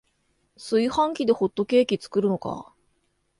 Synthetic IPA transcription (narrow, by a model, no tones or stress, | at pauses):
sɨihãŋkʲid̪e̞ho̞t̪ːo̞ke̞ːkʲit͡sɨ̥kɯ̟ɾɯ̟no̞ka̰